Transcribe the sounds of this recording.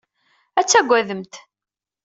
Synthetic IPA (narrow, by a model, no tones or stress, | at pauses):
æt͡sːæɡʷːæðəmt̪